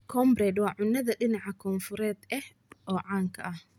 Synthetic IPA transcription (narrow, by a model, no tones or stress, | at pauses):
kʰɔːmbrɛːd̪wɑːʕʊnːɐðɐɗɪnɑʕɑkʰɔːnfʊɾɛːd̪ʔɛh | ɔːʕaːŋkʰɐʔɐh